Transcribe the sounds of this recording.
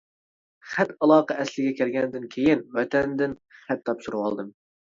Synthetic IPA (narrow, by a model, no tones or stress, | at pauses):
χæt̪ɑlˠɑːqɑʔɛslɪɡʲɛkʲʰæɾɡʲɛnd̪ɪnkʲʰejɪnwɛt̪ɛnd̪ɪnχæt̪ʰːɑpʃuɾuwɑ̰lˠd̪ɨm